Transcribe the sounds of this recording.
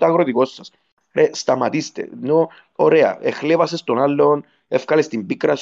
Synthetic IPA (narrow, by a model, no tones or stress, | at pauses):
t̪aɣɾoðiɡosːas | ɾʔest̪amat̪ist̪ḛno | oɾea̰exleβasest̪onalːon | efkalest̪impikɾas